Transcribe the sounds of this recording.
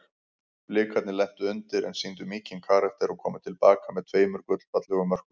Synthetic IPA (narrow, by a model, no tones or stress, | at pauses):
plɪːkʰat̪nɪlɛht̪ʏʏnt̪ɪɾɛ̰nsint̪ʏmiːcɪnkʰaːɾakt̪ɛɾɔkʰɔːmɪt̪ʰɪlpaːkamɛðt̪ʰveːjmʏɾ̥kʏt̪l̥pat̪lɛɣʏmœr̥kʏ